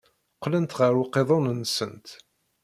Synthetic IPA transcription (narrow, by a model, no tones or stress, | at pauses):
qːlənt̪ʁəɾuqːeðˤonənːsənt̪